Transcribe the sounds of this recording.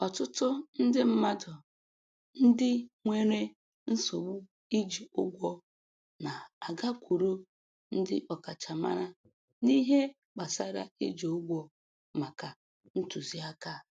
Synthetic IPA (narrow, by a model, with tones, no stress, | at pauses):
ɔ˨tʊ˦tʊ˦n̩˦dɪ˦m̩˦ma˦dɔ˨ | n̩˦dɪ˦ŋʷe˦ɾe˦ | n̩˦so˨ɡ͡bu˦ | i˦d͡ʒi˨ʊ˦ɡʷɔ˦ | na˨a˨ɡa˦kʷu˨ɾu˦ | n̩˦dɪ̰˦ʔɔ˨ka˨t͡ʃa˨ma̰˦ɾa˦ | ni˦ɦe˦ | k͡pa˨sa˦ɾa̰˦i˦d͡ʒi˨ʊ˦ɡʷɔ˦ | ma˨ka˨ | n̩˦tu˨zi˦a˦ka˦